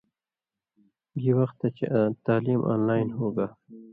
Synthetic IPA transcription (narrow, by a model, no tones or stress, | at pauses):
ɡiwɐxt̪ːat͡ʃʰet̪aːliːmʔa̰ːnlaːɪnɦoːɡaː